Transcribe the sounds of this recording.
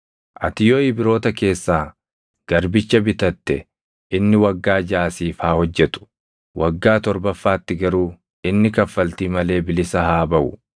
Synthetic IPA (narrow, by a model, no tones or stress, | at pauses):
ʔɐ̰t̪ɪjoːɪbɪɾo̞ːt̪ɐke̞ːsːaː | ɡ̥ɐɾbɪt͡ʃːɐbɪt̪ɐt̪ːɛ | ɪnːɪwɐɡːaːd͡ʒaːsiːfaːhɔd͡ʒːɛt̪ʊ̥ | wʔɐɡːaːt̪ɔɾbɐfːaːt̪ːɪɡɐɾuː | ɪnːɪkɐfːɐlt̪iːmɐle̞ːbɪlɪsɐhaːbɐʔʊ̰